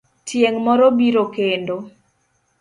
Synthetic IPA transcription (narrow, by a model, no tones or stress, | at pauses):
tʰjeŋmɔɾɔbiɾokendo